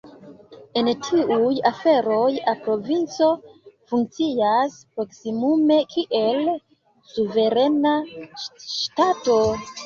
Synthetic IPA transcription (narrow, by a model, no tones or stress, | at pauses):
entʰiujafe̞ɾo̞japɾo̞vint͡so̞fuŋk̚t͡siaspɾo̞ksimume̞kʰiʔe̞l | suve̞ɾe̞na | ʃtato̞